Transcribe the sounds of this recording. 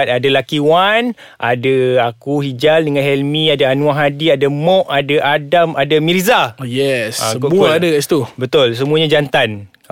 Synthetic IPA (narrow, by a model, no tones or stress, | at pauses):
t̪̚adalakiwan | ʔadaakuhid͡ʒaldəŋanɦɛlmĩadaanuaɦadiadamɔʔadaʔadamadamiɾizajɛsa̰əmukadaast̪ubət̪ʊls̬əmũaɲad͡ʒant̪an